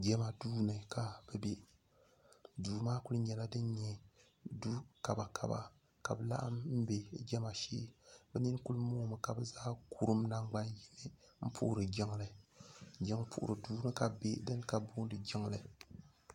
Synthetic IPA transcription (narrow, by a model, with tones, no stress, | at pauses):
ɡɛ˦ma˨duː˦nɨ˨ka˨b̥ɨ˦be˦ | duː˨maː˦ku˦lɨ˦ɲɛ˨la˦dɨ˦n˦ɲɛ˨ | du˦ka˨ba˨kʰa̰˨ba̰˨ | ka̰˨bɨ˨la̰˦ʔa˦mm̩˦be˨˦ɡɛ˦ma˨ʃḛː˦bɛ˦ni˦n˦ku˦lɨ˦moː˦mɨ˨ka˨bɨ˦zaː˦kʰu˦ɾɨ˦mna˦ŋɡ͡ba˦nji˦nɨ˦ | m̩˦pʰṵ˦ʔʊ˦ɾɨ˨d͡ʒi˦ŋlɨ˨d͡ʒɛ˦ŋpʰṵ˨ʔʊ̰˨ɾɨ˨duː˦nɨ˦ka˨be˦dɨ˦n˦ka˨bu˦dɨ˨d͡ʒi˦ŋlɨ˨